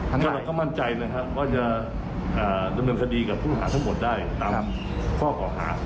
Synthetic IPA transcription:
ka˧la˨˦kɔː˥˩ma˥˩nt͡ɕa˧jna˦˥kʰa˦˥p̚waː˥˩t͡ɕa˨˩ | ʔaː˨˩da˧mnɤː˧nkʰa˧diː˧ka˨˩pʰu˥˩nɦa̰ː˩˦t̪ʰa˥˩ŋmo˨˩t̪̚daː˥˩jt̪aː˧ | kʰɔː˥˩kʰɔː˩˦ɦa̰ː˩˦

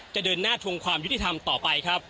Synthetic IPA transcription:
t͡ɕa˨˩dɤː˧nːaː˥˩t̪ʰu˧əŋkʰwaː˧mju˦˥i˨˩t̪ʰa˧mt̪ɔː˨˩pa˧jkʰɾa˦˥p̚

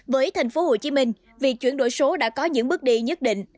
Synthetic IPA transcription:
vəː˨˦jt̪ʰa˨˩jŋ̟fo˨˦ho˧˩t͡ɕi˨˦mï˧ŋ̟ | vi˨˩ək̚t͡ɕwi˧˩ənɗo̰˧˨jso˨˦ɗa̰ː˧˥kɔ˨˦ɲɨ̰˧˥ŋɓɨ˦˥k̚ɗi˧ɲə˦˥t̚ɗḭ˧˨ŋ̟

